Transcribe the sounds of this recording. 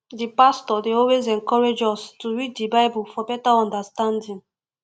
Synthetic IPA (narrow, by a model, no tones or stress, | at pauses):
dipastɔdeɔlwezɛ̃ŋkɔɹed͡ʒɔstuɹiddibaɪbulfɔbɛtaɔ̃ndastãndĩŋ